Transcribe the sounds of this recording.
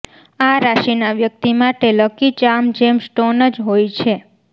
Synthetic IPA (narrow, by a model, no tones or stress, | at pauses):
aɾaʃinaʋjək̚t̪imaʈeləkit͡ʃamd͡ʒemsʈonəd͡ʒɦojt͡ʃʰe